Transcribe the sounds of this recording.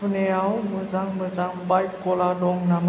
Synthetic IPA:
əneawməzaŋməzaŋbajp̚kɔladɔŋnam

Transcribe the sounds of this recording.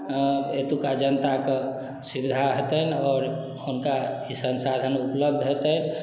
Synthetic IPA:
et̪ukad͡ʒənət̪ake | sibid̪ʱaɦet̪əɦnɔːɾ | unkaisənsad̪ʱənupləb̚d̪ʱɦot̪əni

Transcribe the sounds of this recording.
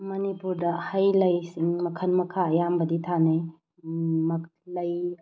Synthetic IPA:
mɐnipuɾdɐhajlɐjsiŋmɐkʰɐnmɐkʰaːjambɐditʰanaj | mɐklɐj

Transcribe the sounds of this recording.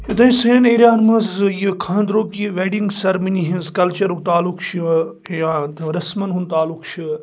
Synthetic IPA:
jut̪ɐ̃ĩseneːɾʲjaːnmɐzjikʰãːnd̪ɾoːkiʋeːɖiŋɡsɐɾminiɦĩnzkɐlt͡ʃɐɾukt̪aːlukt͡ʃʰi | jat̪ɾɐsmɐnɦunt̪aːlukt͡ʃʰi

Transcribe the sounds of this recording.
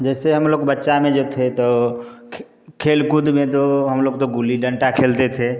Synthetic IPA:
d͡ʒɛseɦəmloɡbətːʃamed͡ʒot̪ʰet̪ɔ | kʰelkud̪met̪oɦəmloɡt̪oɡuliɖəɳʈakʰelt̪et̪ʰe

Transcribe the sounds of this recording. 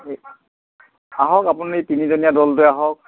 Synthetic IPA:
aɦɔkapunaɹetinizonijadɔltʊjaɦɔk̚

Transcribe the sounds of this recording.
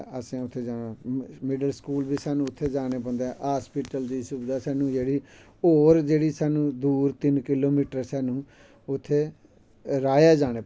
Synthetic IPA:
əsĩːʊt̪ʰːeːd͡ʒaːnãːmɪɖəlskuːlbiːsaːnũːʊt̪ʰːeːd͡ʒaːneːpə̃nd̪eːaːspiːʈəld̪iːsʊbd̪aːsaːnũːd͡ʒeːɽiː | oːɾd͡ʒeːɽiːsaːnũːd̪uːɾt̪ɪnkɪloːmiːʈəɾsɛːnũː | ʊt̪ʰːeː | ɾaːjaːd͡ʒaːñeː

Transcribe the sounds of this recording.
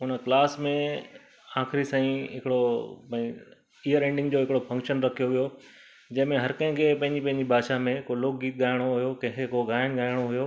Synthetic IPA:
ʊnklaːsmẽ | ãːxɪɾisãːĩɦɪkɪɽopɐ̃ːĩ | ijəɾẽːɳɖɪ̃ŋɡd͡ʑoːɪkɪɽofɐ̃ŋkʃənɾɐkʰijoʋijo | d͡ʑɐ̃ɦɪ̃mẽɦɐɾkɐ̃ɦɪ̃kʰeːpɐ̃ɦɪ̃ɲd͡ʑipɐ̃ɦɪ̃ɲd͡ʑibʱaːʃamẽkoloːk̚ɡiːt̪̚ɠaːɪɽ̃oɦʊjokɐ̃ekoɡaːɪñɠaːɪɽ̃oɦʊjo

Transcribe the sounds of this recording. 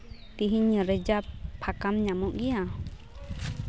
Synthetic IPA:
t̪iɦiɲːəɾɛd͡ʒappʰːakamɲamuʔɡija

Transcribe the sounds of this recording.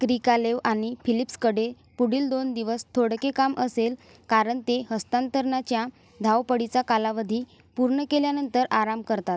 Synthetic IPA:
kɾikaleʋaɽ̃ifilipskəɽ̤e | puɽiːld̪ond̪iʋəst̪ʰoɽkekamʔəsel | kaɾəɳt̪eɦəst̪ant̪əɾɳat͡ɕja | d̪ʱawpəɽit͡sakalaʋəd̪ʱiː | puɾɳəkeljanənt̪əɾaɾamkəɾt̪at̪

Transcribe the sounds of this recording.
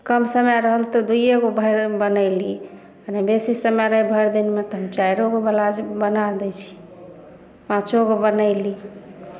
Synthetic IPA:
kəmsəmjaɾəɦəlt̪ɔd̪ujeɡobʱəɾbənəɪli | ənebesisəmaɾəɦibʱəjɾd̪inmet̪ɔɦəmt͡ʃajɾoɡobəlad͡ʒbənad̪ɛt͡ʃʰi̥ | pãt͡ʃoɡobənəɪli

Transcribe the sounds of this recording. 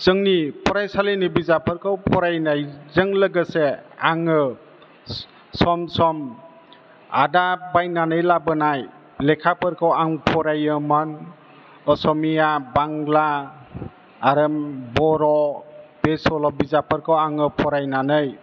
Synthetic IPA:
z̥ɯŋnipʰɔɾajsalenɯbizapʰɯɾkʰɯwpʰɔɾajnajzɯŋləɡəseaŋɯ | sɔmsɔm | a̰dabajnanɯjlabɯnaj | lekʰapʰɯɾkʰawaŋpʰɔɾajɯman | ɔsɔmijabaŋla | ɾɯmbɔɾɔb̥esɔlɔbizapʰɯɾkʰawaŋɯpʰɔɾajnanɯj

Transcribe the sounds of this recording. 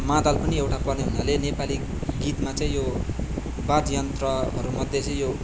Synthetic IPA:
mãd̪alpʌniewʈapʌrneɦunalenepali | ɡit̪mat͡sãĩjo | bad̪jʌnt̪rʌʌ̰ɾumʌd̪ʱːjet͡sʌĩjo

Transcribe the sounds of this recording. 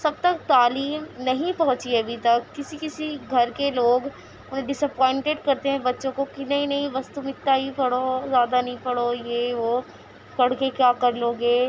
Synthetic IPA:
sɐb̚t̪ɐk̚t̪aːliːmnɐɦĩpɐɦʊ̃t͡ʃiɐbʱit̪ɐkːɪsikɪsiɡʱɐɾkeloːɡ | ʊnɦẽɖɪsəpɔ̃ːɪ̃ɳʈeɖkɐɾt̪eɦɛ̃bɐtːʃõkokinɐɦĩnɐɦĩbɐst̪umɪt̪ːaɦipɐɽozjaːd̪anɐɦĩpɐɽojeʋo | kɐɽkekjaːkɐɾloːɡeː

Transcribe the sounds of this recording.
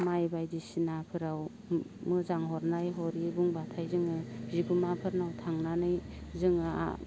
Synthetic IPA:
majbajdisinapʰɯɾaw | mɯzaŋɦɔɾnajɦɔɾibuŋbatʰajzɯŋɯziɡumapʰɯɾnawtʰaŋnanɯjzɯŋɯa̰

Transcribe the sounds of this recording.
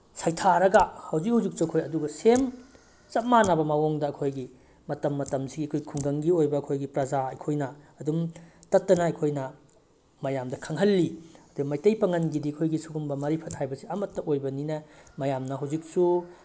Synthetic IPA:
sajtʰaɾɐɡɐhɐwzikɦhɐwzik̚suɐkʰojɐduɡɐsem | t͡ʃɐt̚manabɐmawoŋdɐːkʰojɡi | mɐtɐmːɐtɐmsiɡiɐkʰojkʰuŋɡɐŋɡiojbɐːkʰojɡipɾɐzaɐjkʰojnɐː | dumtɐtːɐnɐɐjkʰojnɐ | mɐjamdɐkʰɐŋɦɐlːiɐduɡɐmajtɐjpɐŋɐnɡidiɐkʰojɡisuɡumbɐmɐɾipʰɐt̚hajbɐsiɐmɐtːɐojbɐninɐmɐjamnɐɦɐwzik̚su

